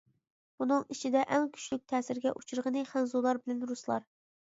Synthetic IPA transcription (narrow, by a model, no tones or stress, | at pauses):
b̥unɨŋit͡ʃʰid̪ɛʔɛŋkʲʰy̥ʃlyk̚ʲt̪ʰɛːsɪɾɡʲɛʔut͡ʃʰuɾʁənɨχænzulˠɑɾbɪlɛnɾuslˠɑ̰ɾ